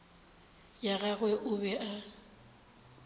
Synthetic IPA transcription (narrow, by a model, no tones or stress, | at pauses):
jaɣaɣwɛʔʊbɛʔa